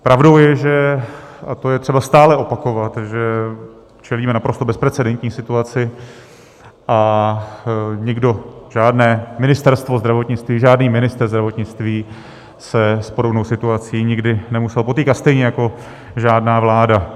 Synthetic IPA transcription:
pɾavdo̞wjɛʒɛ | at̪ojɛt̪r̥ɛbast̪aːlɛʔo̞pako̞vat̪ʒɛ | t͡ʃʰɛliːmɛnapɾo̞st̪o̞bɛspɾɛt͡sɛdɛnt̪ɲiːsɪt̪uat͡sɪ | ʔa | ɲɪɡdo̞ʒ̥aːdnɛːmɪnɪst̪ɛɾst̪vo̞zd̪ɾavo̞t̪ɲɪt͡st̪viːʒaːdniːmɪnɪst̪ɾzd̪ɾavo̞t̪ɲɪt͡st̪viː | sɛspodobnowsɪt̪uat͡siːɲɪɡdɪnɛmusɛlpo̞t̪iːkat̪st̪ɛjɲɛjako̞ | ʒaːdnaːvlaːda

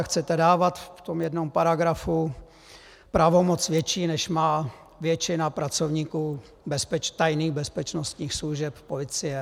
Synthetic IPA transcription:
xt͡sɛt̪ɛdaːvat̪ft̪omjɛdnompaɾaɡɾafu | pɾavomot͡svjɛt͡ʃiːnɛʃmaː | vjɛt͡ʃɪnapɾat͡sovɲiːkuː | bɛspɛt͡ʃt̪ajniːɣbɛspɛt͡ʃnost̪ɲiːxsluʒɛppolɪt͡sɪjɛ

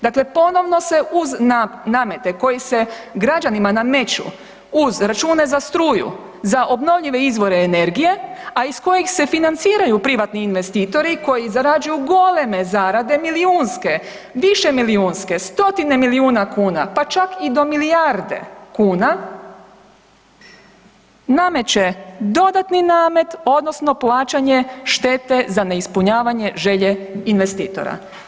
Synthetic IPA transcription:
d̪akle̞po̞no̞ʋno̞se̞ʔuzanaːme̞t̪e̞ko̞jise̞ɡɾad͡ʒanimaname̞t͡ɕṵ | uzɾat͡ʃuːne̞zast̪ɾuːjṵ | zaʔo̞bno̞ʋʎiʋe̞izʋo̞ɾe̞ːne̞ɾɡije̞aisko̞jixse̞finant̪siːɾajupɾiʋat̪niːnʋe̞st̪iːt̪o̞ɾiko̞jizaɾad͡ʒujuɡo̞le̞me̞zaːɾad̪e̞miliuːnske̞ | ʋiʃe̞miliuːnske̞st̪o̞t̪ine̞miliuːnakuːnapat͡ʃakid̪o̞milijaɾd̪e̞̰kuːna | name̞t͡ɕe̞d̪o̞d̪at̪ninaːme̞t̪o̞d̪no̞sno̞plˠaːt͡ʃaɲeʃt̪e̞ːt̪e̞zane̞ispuɲaːʋaɲe̞ʒe̞ʎe̞inʋe̞st̪iːt̪o̞̰ɾa̰

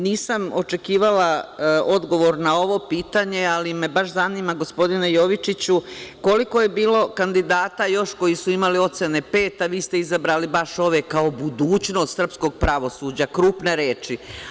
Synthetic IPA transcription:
niːsamo̞t͡ʃe̞kiːʋalao̞d̪ɡo̞ʋo̞ɾnao̞ʋo̞piːt̪aɲe̞alime̞baʃ̬zaniːmaɡo̞spo̞d̪inejo̞ʋit͡ʃit͡ɕuko̞liko̞je̞biːlo̞kand̪id̪aːt̪ajo̞ʃko̞jisuimalio̞t̪sene̞pe̞ːt̪aʋiːst̪e̞izabɾaːlibaʃo̞ʋe̞kaobud̪uːt͡ɕno̞st̪sr̩psko̞ɡ̚pɾaʋo̞suːd͡ʑakɾuːpne̞ɾeːt͡ʃi

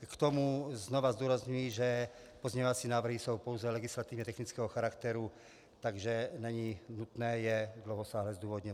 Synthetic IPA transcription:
kt̪omuznovazd̪uːɾazɲujiʒɛ | pozɲɛɲovat͡sinaːvr̩ɦisowpowzɛlɛɡɪslat̪ivɲɛt̪ɛxnit͡skɛːɦoxaɾakt̪ɛɾu | t̪aɡʒɛnɛɲinut̪nɛːjɛd̪lowɦosaːɦlɛzd̪uːvod̪ɲɛ

